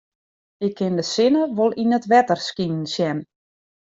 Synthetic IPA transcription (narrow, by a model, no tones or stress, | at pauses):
ɪkʰːɪndəsɪnəʋolˠinətʋɛtərskinn̩sjɛn